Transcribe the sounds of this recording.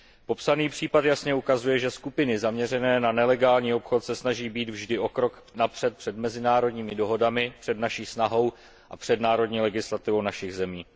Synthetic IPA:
po̞psaniːpr̝̥iːpat̪jasɲɛukazujɛʒɛskupɪnɪzamɲɛrɛnɛːnanɛlɛɡaːlɲiːo̞pxo̞t̪sɛsnaʒiːbiːd̪vʒdɪʔo̞kɾo̞k | napr̝̥ɛt̪̚pr̝̥ɛdmɛzɪnaːɾo̞dɲiːmɪdo̞ɦo̞damɪpr̥ɛdnaʃiːsnaɦo̞w | ʔapr̝̥ɛdnaːɾo̞dɲiːlɛɡɪslat̪ɪvownaʃɪɣzɛmiː

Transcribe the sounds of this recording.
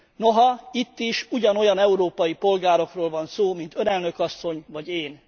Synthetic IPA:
no̞ɦɒit̪ːiʃuɟɒno̞jɒnɛuɾoːpɒjipo̞lɡaːɾo̞kroːlvɒnsoːmint̪ønɛlnøkɒsːo̞ɲvɒɟeːn

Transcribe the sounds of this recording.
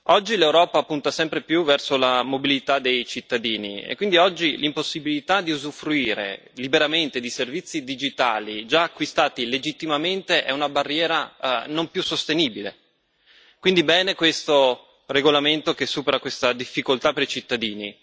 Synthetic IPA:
ɔd͡ʒːilewɾɔːpapːunt̪asɛmpɾepjuvɛrsolamobilit̪ad̪ejt͡ʃit̪ːad̪iːnḭḛkːwind̪iɔd͡ʒːilimposːibilit̪ad̪iuzufɾuiːɾḛ | libeɾament̪ed̪iservit̪sːid̪id͡ʒit̪a̰ːlid͡ʒaːkːwist̪aːt̪iled͡ʒit̪ːimament̪eʔɛunabarːjɛːɾanompjusːost̪eniːbilḛ | kwind̪ibɛːnekwest̪o | reɡolament̪okesːuːpeɾakwest̪ad̪ifːikolt̪apeɾit͡ʃit̪ːad̪iːnḭ

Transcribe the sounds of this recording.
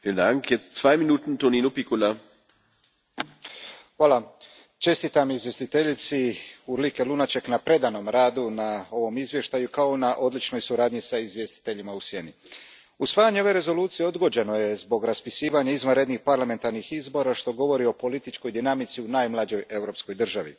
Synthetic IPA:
fiːləndaŋkjɛt͡stsvaɪminuːtn̩toninupikula | xʋaːla | t͡ʃe̞st̪it̪amizvje̞st̪it̪e̞ʎit̪siuɾlikelunat͡ʃe̞knapɾe̞d̪ano̞mɾaːd̪unao̞ʋo̞mizʋje̞ʃt̪ajukao̞naʔo̞d̪lit͡ʃno̞jsuɾaːd̪ɲisaizʋje̞st̪i̥t̪e̞ʎimausje̞ni | usʋaːjaɲe̞o̞ʋe̞ɾe̞zo̞lˠuːt̪sijeo̞d̪ɡo̞d͡ʒe̞no̞je̞zbo̞ɡɾaspisiːʋaɲaizʋanɾe̞d̪nixpaɾlame̞nt̪aɾnixizbo̞ɾaʃt̪o̞ɡo̞ʋo̞ɾio̞po̞lit̪it͡ʃko̞jd̪inamit̪siunaːjmlˠad͡ʑo̞je̞wɾo̞ːpsko̞jd̪r̩ʒaʋḭ

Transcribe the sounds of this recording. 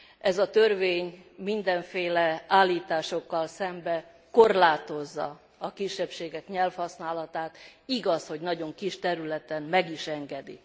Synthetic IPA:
ɛzɒt̪ørveːɲmind̪ɛɱfeːlɛaːlːiːt̪aːʃo̞kːɒlsɛmbɛ | ko̞rlaːt̪o̞zːɒ̰ | ɒkiʃːɛpʃeːɡɛkɲɛlfhɒsnaːlɒt̪aːt̪iɡɒsho̞ɟnɒɟo̞ŋkiʃt̪ɛɾylɛt̪ɛmmɛɡiʃɛŋɡɛd̪ḭ

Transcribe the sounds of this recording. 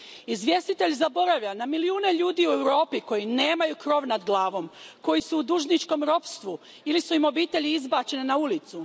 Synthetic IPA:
izʋje̞st̪it̪e̞ʎʲzabo̞ɾaʋʎanamiliuːne̞ʎuːd̪iːue̞wɾo̞ːpiko̞jine̞ːmajukɾo̞ːʋnad̪ɡlˠaːʋo̞mko̞jisuːd̪uʒnit͡ʃko̞mɾo̞pst̪ʋu | ilisuimo̞biːt̪e̞ʎiizbaːt͡ɕe̞nenaulit̪su

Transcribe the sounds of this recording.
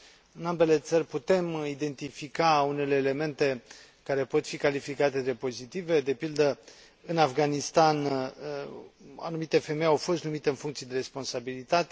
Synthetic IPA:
ɨnambe̞le̞t̪sərʲput̪e̞mid̪e̞nt̪ifikaune̞le̞ːle̞me̞nt̪e̞ | kaɾe̞po̞t̪fikalifikat̪e̞d̪e̞po̞zit̪ive̞d̪e̞pild̪ə | ɨnafɡanist̪an | a̰numit̪e̞fe̞me̞jawfo̞st̪numit̪e̞ɨnfuŋkt̪sijed̪eɾe̞spo̞nsabilit̪at̪e

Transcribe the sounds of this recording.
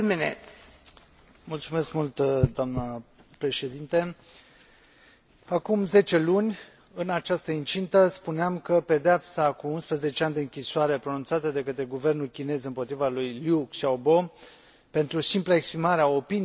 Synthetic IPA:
minḛt̪ | mult̪sume̞skmult̪d̪oamnəpɾe̞ʃe̞d̪int̪e | akumze̞t͡ʃe̞lunʲ | ɨnat͡ʃast̪əint͡ʃint̪əspuneamkəpe̞d̪eapsakuunspɾəze̞t͡ʃeanʲd̪eɨŋkʲisoaɾe̞pɾo̞nunt̪sat̪əd̪e̞kət̪ɾe̞ɡuve̞rnulkʲine̞zɨmpot̪ɾivalujljukʃaobo̞ | pe̞nt̪ɾusimpləe̞kspɾimaɾeao̞pin

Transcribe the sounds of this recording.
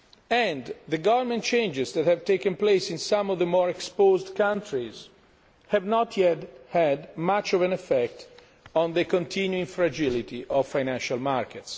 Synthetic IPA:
ɛ̃ndðəɡavəɹmɛ̃nt̚t͡ʃẽjnd͡ʒɪzd̪ɛt̪hɛvt̪ekə̃nplesĩnsãmɔvðəmɔːɹɛkspozd̪kãntʰɹiz | hɛvnɔt̪ʰjɛt̪hɛd̪mat͡ʃɔvɛ̃nɛfɛk̚t̪ | ɔ̃nðəkɔ̃nt̪ʰĩnjuĩŋfɾad͡ʒilit̪iʔɔvfajnæ̃nʃalmaɹkɛts

